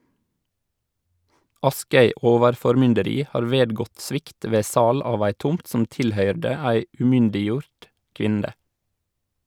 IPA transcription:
ˈɑskœʏ ˈoːʋəɾfɔɾˌmʏndəɾiː ˈhɑːɾ ˈʋeːdɡɔt ˈsʋɪkt ˈʋeː ˈsɑːl ˈɑːʋ ˈæɪ ˈtʊmt ˈsʊm ˈtɪlˌhœʏɖə ˈæɪ ʉːˈmʏndɪˌjuːɾt ˈkʋɪndə

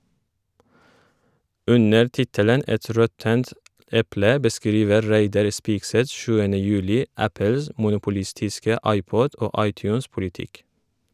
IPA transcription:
ˈʉnəɾ ˈtɪtələn ˈɛt ˈɾɔtənt ˈɛplə bəˈskɾiːʋə ˈɾæɪdɑɾ ˈspiːkˌsɛt ˈʃʉːənə ˈjʉːlɪ ˈæpəls mʊnʊpʊˈlɪstɪskə ˈɑɪˌpɔd ˈoː ˈɑɪˌtjʉːnspʊlɪˌtɪk

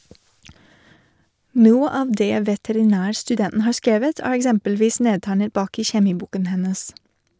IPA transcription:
ˈnuːə ˈɑːʋ ˈdeː ʋɛtɛɾɪˈnæːɾstʉˌdɛnn̩ ˈhɑːɾ ˈskeːʋət ˈæːɾ ɛkˈsɛmpəlˌʋiːs ˈneːtæɪnət ˈbɑːk ˈiː çɛˈmiːˌbuːkən ˈhɛnəs

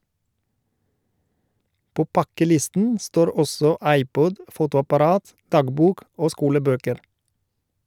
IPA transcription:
ˈpoː ˈpɑkəˌlɪstn̩ ˈstoːɾ ˈɔsɔ ˈɑɪˌpɔd ˈfuːtʊɑpɑˌɾɑːt ˈdɑːɡˌbuːk ˈoː ˈskuːləˌbøːkəɾ

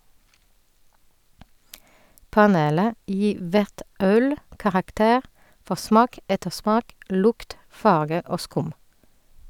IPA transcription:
pɑˈneːlə ˈjiː ˈʋæʁt ˈœl kɑʁɑkˈteːʁ ˈfɔ ˈsmɑːk ˈɛtəˌsmɑːk ˈlʊkt ˈfɑʁɡə ˈoː ˈskʊm

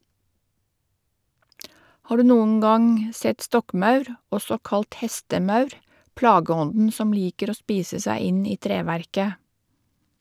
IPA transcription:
ˈhɑː ˈɖʉː ˈnuːŋ̍ ˈɡɑŋ ˈsɛt ˈstɔkˌmɑʉɾ ˈɔsɔ ˈkɑlt ˈhɛstəˌmɑʉɾ ˈplɑːɡəˌɔndn̩ ˈsɔm ˈliːkəɾ ˈoː ˈspiːsə ˈsæɪ ˈɪn ˈiː ˈtɾeːʋæɾkə

